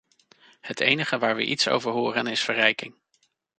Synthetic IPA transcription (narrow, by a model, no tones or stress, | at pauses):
hətejnəχəʋaːɹʋə̰ʔitso̰wvəɹɦʊːrənɪsfərɛjkɪŋ